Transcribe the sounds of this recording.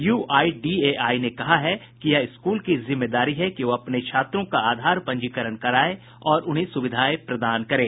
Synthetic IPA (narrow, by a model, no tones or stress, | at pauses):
juːʔaːiɖiːeːʔaːinekɐɦaɦɛ | kijɛɪskuːlkizɪmːed̪aːɾiɦɛkiʋoɐpneʃʰaːt̪ɾõkaaːd̪ʱaːɾpɐ̃ɲd͡ʒikəɾəɽkɐɾaːe | ɔːɾʊnɦẽsʊʋɪd̪ʱaːepɾɐd̪aːnkɐɾẽː